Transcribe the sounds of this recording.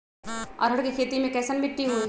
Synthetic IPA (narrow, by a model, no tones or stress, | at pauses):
ɐ̰ɾɦɐɽkikʰeːt̪imẽkɛːsənbʱɪʈːiɦoi